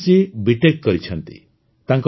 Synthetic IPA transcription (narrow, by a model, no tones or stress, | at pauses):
sibiʈekːɔɾit͡ʃʰɔnt̪ḭ | t̪aŋk